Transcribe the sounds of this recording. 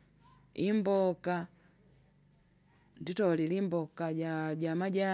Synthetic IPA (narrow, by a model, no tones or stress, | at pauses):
imbɔka | nditɔlilimbɔkaɟaɟamaɟa